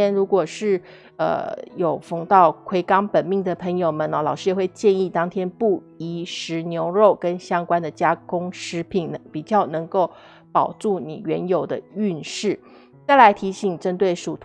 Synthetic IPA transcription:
ɛ˥nɻu˧˥kwɔ˨˩ʂɻ̩˥˩ | ə̰˧˩jo˨˩ʊfɤ˧˥ŋt̪ɑ˥˩ʊkʰwe˧˥ɪkɑ˥ŋpə˨˩nmi˥˩ŋd̪ə˩pʰə˧˥ŋjo˨˩ʊmə˦nə˧lɑ˨˩ʊʂɻ̩˥jɛ˨˩xwe˥˧ɪt͡ɕjɛ˥˧ni˥˩t̪ɑ˥ŋt̪ʰjɛ˥npu˥˩ | i˧˥ʂɻ̩˧˥njo˧˥ʊɻo˥˩ʊkə˥nɕjɑ˥ŋkwa˥nd̪ə˨t͡ɕja˥kʊ˥ŋʂɻ̩˧˥pʰi˨˩nnə˧˦pi˨˩t͡ɕjɑ˥˩ʊnɤ˧˥ŋko˥˩ʊ | pɑ˨˩ʊʈ͡ʂu˥˩nḭ˨˩ɥɛ˧˥njo˨˩ʊd̪ə˦y˥˧nʂɻ̩˥˩ | t͡sa˥˩ɪla˧˥ɪt̪ʰi˧˥ɕi˨˩ŋʈ͡ʂə˥nt̪we˥˩ɪʂu˨˩t̪ʰ

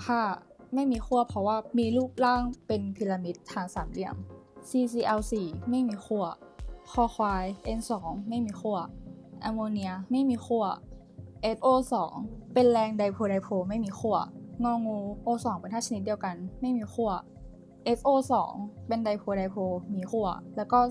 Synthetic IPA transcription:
kʰa˧˥˩ | ma˥˩jmiː˧xʰu˥˩ɐpʰɔ˧˥waː˧˥˩miː˧luː˥˩p̚laː˥˩ŋpe˧npʰi˧laː˧mi˦˥t̪ʰːaː˨˩˦ŋsaː˩˦mli˧˩əmsiː˧s̬iː˧ʔɛ˧wsiː˨˩ma˥˩jmiː˧xʰu˧˥˩ɐkʰɔː˧˩xʰwaː˧jʔe˧nsɔː˩˦ŋma˥˩jmiː˧xu˥˩ɐʔa˧moː˧ni˧ɐ˧ma˥˩jmiː˧xʰu˧˥˩ɐ | ʔe˦˥fʔoː˧sɔ̰ː˩˦ŋpe˧nlɛː˧ŋda˧jpʰoː˧ɾa˧jpʰoː˧ma˥˩jmiː˧xʰu˥˩ɐŋɔː˧˥˩ŋːuː˧ʔoː˧sɔː˩˦ŋpe˧nʰaː˥˩t͡ɕa˧ni˦t̪̚di˧əwka˧nma˥˩jmiː˧xʰu˥˩ɐ | ʔe˦˥kʔoː˧sɔ̰ː˩˦ŋpe˧nda˧jpʰoː˧ɾa˧jpʰoː˧miː˧xʰu˥˩ɐlɛː˦˥wkɔː˥˩

